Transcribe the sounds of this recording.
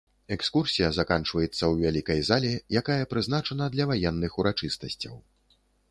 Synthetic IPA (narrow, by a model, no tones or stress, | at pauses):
ɛkskursʲijɐzakant͡ʂvɐjɛt̪sːɐwvʲalʲikɐjzalʲɛjakajɐpɾɨzn̪at͡ʂɐnɐd̪lʲɐvajɛnːɨxuɾat͡ʂɨst̪ɐsʲt͡sʲɐ̰w